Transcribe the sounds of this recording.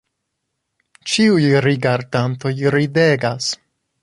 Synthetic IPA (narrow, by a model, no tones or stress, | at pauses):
t͡ʃiujɾiɡaɾdanto̞jɾide̞ɡas